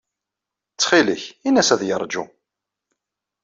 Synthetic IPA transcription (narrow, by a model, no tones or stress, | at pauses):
t͡sːχiləçinæsæðjəɾˤd͡ʒṵ